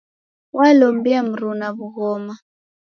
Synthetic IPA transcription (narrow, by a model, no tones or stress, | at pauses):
wʔalombiam̩ɾunaβuɣɔma